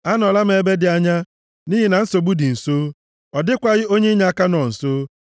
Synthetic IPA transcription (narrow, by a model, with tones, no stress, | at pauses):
a˦nɔ˨la˦m̩˦e˨be˦dɪ˨a˨ɲa˦ | ni˦ɦi˨na˨n̩˦so˨ɡ͡bu˦dɪ˨n̩˨soː˦ | ɔ˨dɪ˦kʷa˦ɣɪ˦o˦ɲe˦ɲa˨a˦ka˦nɔ˨n̩˨soː˦